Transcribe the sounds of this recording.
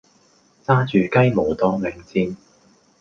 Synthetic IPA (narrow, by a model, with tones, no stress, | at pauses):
t͡saː˥t͡ʃyː˨kɐ˥jmo˨˩wt̪ɔː˧˥mɛ˨˩ŋt͡siː˧n